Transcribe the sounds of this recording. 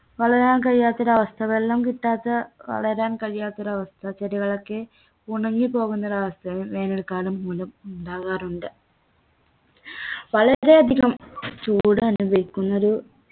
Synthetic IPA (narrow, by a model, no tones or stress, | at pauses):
ʋɐɭɐɾaːnkɐɻijaːt̪ːɐɾɐɐʋɐst̪ʰɐʋelːaːmkiʈːaːt̪ːɨʋɐ̰ɭɐɾaːnkɐɻijaːt̪ːoɾɐʋɐst̪ʰɐt͡ɕeɾiɣɐɭokːe | uɳɐŋːipo̞ːɣunːɐðɐʋɐst̪ʰɐʋiʋe̞ːnɐɭkaːɭɐmːulɐmuɳɖaːɣaːruɳɖɨ | ʋɐɭɐɾe̞ɐd̪ʱiɣɐmt͡ɕuːɽɨɐnubʱɐʋikʲːunːɐoɾu